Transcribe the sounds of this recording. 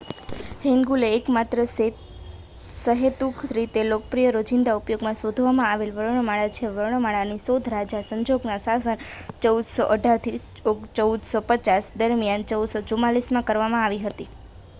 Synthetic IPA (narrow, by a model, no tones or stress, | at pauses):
ɦeŋɡuleːkmat̪ɾəs | səɦet̪ukʰɾit̪elokəpɾijəɾod͡ʒɪnd̪aupjoɡmãsod̪ʱʋamãaʋelʋəɾɳ̃əmaɭat͡ʃʰeʋəɾɳ̃əmaɭanisod̪ʱɾad͡ʒasəɲd͡ʒoɡnasasənt͡ʃəwd̪sɔʔəɖʱaɾt̪ʰi | oɡt͡ʃəud̪sɔpət͡ʃasd̪əɾmjant͡ʃəud̪sot͡ʃumalismãkəɾʋamãaʋiɦət̪i